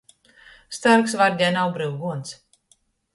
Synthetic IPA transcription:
st̪aɾksvaɾd̪ʲɛnawbɾɨwɡuɔnt̪s

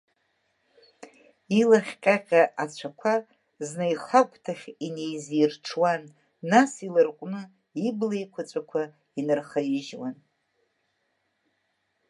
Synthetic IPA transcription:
ilaχʲqʲʼaqʲʼaʔat͡ɕʷʰakʷʰa | znajχakʷʼtʰaχʲinejzijrʈ͡ʂʰwanː | asilɨrqʷʼnɨ | iblejkʷʰat͡sʷʼakʷʰa | inɨrχajɪʒwan

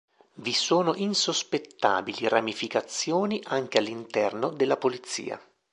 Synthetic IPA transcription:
visoːnoʔinsospet̪ːa̰ːbiliramifikat̪sːjoːniʔaŋk̟ealːint̪ɛrnod̪elːapolit̪sːḭːa̰

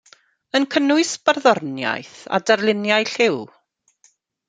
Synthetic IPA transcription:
ənkʰənʊɨsb̥ərðɔrnja̰jθa̰darlˠɪnjajɬɪw

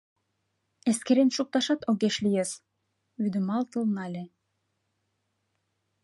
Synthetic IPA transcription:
eskeɾenʃuk̚t̪ɑʃɑt̪oɡeʃlʲijes | yd̪ymɑlˠt̪ɯ̆lˠnɑlʲe

